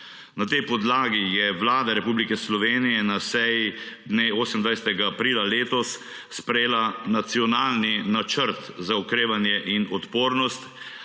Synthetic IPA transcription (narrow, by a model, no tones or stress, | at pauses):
nat̪ɛjpɔd̪laːɡijɛʋlaːd̪aɾɛpublikɛslɔʋeːnijɛnasɛjid̪neːoːsəmnd̪ʋajsɛt̪ɛɡaːpɾiːlaleːt̪ɔsː | pɾɛjeːlanat̪siɔnaːlninat͡ʃəɾt̪zaukɾeːʋanjɛʔinɔt̪poːɾnɔst̪